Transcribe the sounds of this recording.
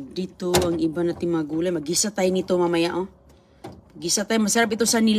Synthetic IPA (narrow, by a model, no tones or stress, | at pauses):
dit̪oaŋibanat̪imaɡulamaɡisat̪ainit̪omamajaʔo | ɡisat̪aimasaɾap̬it̪osanil